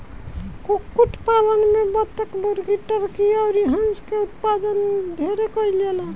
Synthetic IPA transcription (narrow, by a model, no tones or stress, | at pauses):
kukuʈʰpalənmebɔt̪ekbəɾɡiʈːəɾkiɔwɾiɦə̃nd͡ʒkeut̪̚pad̪ənd̪ʱeɾekɔjlela